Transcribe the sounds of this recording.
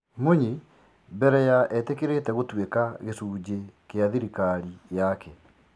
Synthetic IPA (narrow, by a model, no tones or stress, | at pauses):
moɲe | mbɛɾɛjaʔɛtekeɾetɛɣotwekaɣesuːd͡ʑekeaðiɾikaɾijakʰɛ